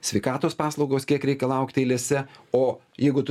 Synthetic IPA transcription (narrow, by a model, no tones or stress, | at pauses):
sʲʋʲɛɪkɑːt̪oːspɑːslˠɐʊɡoːskʲiɛkɾʲɛɪkʲɛlˠɐʊkt̪ʲeɪlʲeːsʲɛoː | jɛɪɡʊt̪